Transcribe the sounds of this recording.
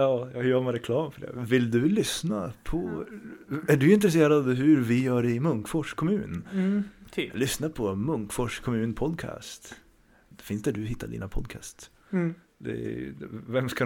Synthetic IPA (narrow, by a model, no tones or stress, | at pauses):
ɑːjɑjœːɾmɛɾɛkʰlɑːmfœɖɛ̰vɪld̪ɵlʏsna̰pʰɔ | æɖɵɪnt̪ɾɛseːɾad̪d̪ɦɵɾvɪjœːɖɪɪmɵŋkfɔʂkʰɔmʉ̟ːnʰ | lʏsnapʰɔmɵŋkfɔʂkʰɔmʉ̟ːnpʰɔd̪kʰa̰ːst̪ | d̪̥ɛfɪnsd̪ɛɖɵɦɪt̪ːaɖḭːnapʰɔd̪kʰa̰st̪ | d̪ɛ̰ | vɛmska